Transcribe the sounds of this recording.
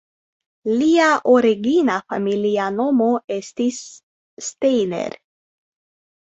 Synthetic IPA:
liaʔoɾeɡinafamilianomoest̪isː | t̪ejnḛɾ

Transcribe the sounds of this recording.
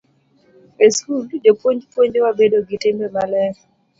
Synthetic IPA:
eskuld͡ʒopwoɲd͡ʒpwoɲd͡ʒewabedoɡitembemalɛ

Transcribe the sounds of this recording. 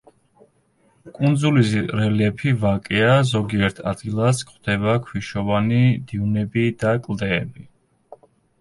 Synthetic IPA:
kʼund̪zulisɾɛlɛpʰivakʼɛazɔɡiɛɾt̪ʰa̰d̪ɡilˠaskχwd̪̥ɛbakʰwiʃɔvanid̪iunɛbid̪akʼlˠd̪ɛːbi

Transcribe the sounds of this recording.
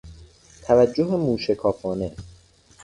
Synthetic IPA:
t̪ʰævæd͡ʒːoɦemuːʃekʰɒːfɒːne

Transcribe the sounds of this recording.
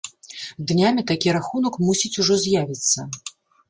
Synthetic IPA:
d̪nʲamʲit̪akʲiɾaxunɐkmusʲit͡sʲuʐɔzʲjavʲit̪sːɐ

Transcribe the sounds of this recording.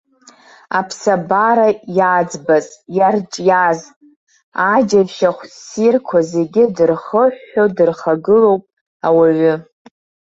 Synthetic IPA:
apʰsabaɾajad͡zbazjart͡ʃʼjaz | ad͡ʒavʃaχʷsirkʷʰaze̞ɡʲɪdɨrχəħːodɨrχaɡɨlo̞wpʼ | awaɥʏ

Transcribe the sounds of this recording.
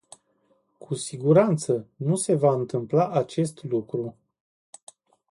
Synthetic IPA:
kʰusiɡuɾant̪sənuse̞vaɨnt̪ɨmplaʔat͡ʃe̞st̪lukɾu

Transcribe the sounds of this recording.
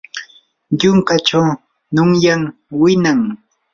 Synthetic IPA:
ʎʊŋkat͡ʃaw | nʊŋjaŋwɪnaŋ

